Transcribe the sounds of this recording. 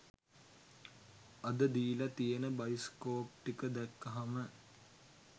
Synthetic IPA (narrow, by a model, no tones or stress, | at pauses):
ɐd̪əd̪iːlɐt̪ijenəbɐjiskoːp̚ʈikəd̪ɛkːɐɦamə